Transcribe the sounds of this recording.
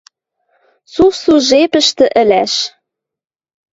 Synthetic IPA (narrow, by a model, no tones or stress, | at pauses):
sufsuʒepə̆ʃt̪ə̆ʔə̆læʃ